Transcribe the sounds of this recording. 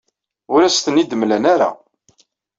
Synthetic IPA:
ʊɾæst̪ənid̪əmlənaɾa̰

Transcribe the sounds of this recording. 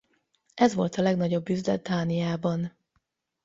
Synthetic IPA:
ʔɛzʋo̞lt̪ɒlɛɡnɒɟo̞bːyzd̪ɛ̰d̪̚d̪aːnijaːbɒn

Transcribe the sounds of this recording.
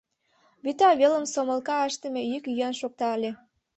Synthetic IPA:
βyt̪ɑβelə̆msoməlkɑəʃt̪ə̆mejykjønʃok̚t̪ɑlʲe

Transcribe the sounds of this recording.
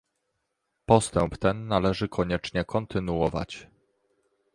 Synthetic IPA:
pɔst̪ɛmpt̪ɛnːalɛʐɘkʰɔɲɛt͡ʂɲɛkʰɔnt̪ɘnuɔva̰t͡ɕ

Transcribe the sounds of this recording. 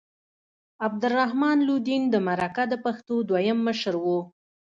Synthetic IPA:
ab̚d̪əlːahmɑnlud̪ind̪əmaɾakad̪əpaxt̪od̪wajamːəʃɾwu

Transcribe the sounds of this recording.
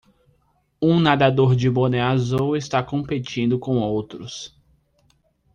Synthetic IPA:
ũnad̪ad̪oɾd͡ʒɪboneazowest̪akõmpet͡ʃĩnd̪ʊkõw̃owt̪ɾʊs

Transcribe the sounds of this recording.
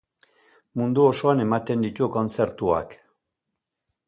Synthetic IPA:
mund̪uo̞so̞ane̞mat̪e̞nd̪it̪uko̞nt͡se̞ɾt̪ua̰k

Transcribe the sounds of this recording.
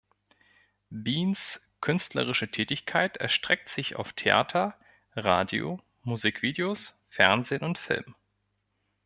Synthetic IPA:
biːns | kʰʏnstlə̰ʁ̞ɪʃətʰɛːtɪçkʰaɪtʰɛɐʃtʁ̥ɛk̚tz̥ɪça̰ʊftʰeʔa̰ːtʰɐ | ʁaːdjo̰ | muziːkv̥iːdeos | fɛɐnzeːnʊntfɪ̰lm

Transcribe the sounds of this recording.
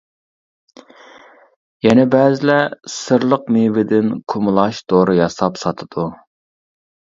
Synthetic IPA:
jɛnɛbɛːzɪlɛsɨɾlˠəq̚mevɪd̪ɪnkʰʊmɨlˠɑʃd̪oɾɨjɑsɑpsɑt̪ʰɨd̪̥u

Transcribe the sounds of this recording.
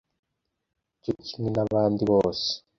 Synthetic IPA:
d͡ʒit͡ʃininaβaːnd̪iβoːse̥

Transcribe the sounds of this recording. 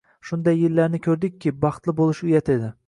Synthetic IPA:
ʃʊnd̪ajːɪlːaɾnɪkʲʰɵɾd̪ɪkʲʰːɪbɑχt̪lˠɪbolˠɪʃʊjat̪ʰe̞d̪ɪ

